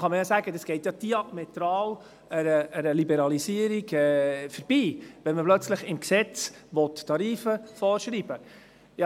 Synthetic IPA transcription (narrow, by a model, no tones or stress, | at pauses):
χɑməjɑsæːɡədɑsɡ̥ɛɪtjɑd̪̥iɑmɛt̪ɾɑːl | əɾəːɾəlibɛɾɑlisiːəɾiɡɛfəɾb̥iːʋɛnməplœt͡sləχɪmksɛt͡sʋɔt̪tɑɾiːfəfɔːɾʃɾiːb̥ə | jɑ